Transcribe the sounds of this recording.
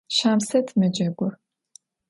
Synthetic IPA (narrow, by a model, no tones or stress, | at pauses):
ʃaːmsɐtʰmɐd͡ʒɐɡʷʊ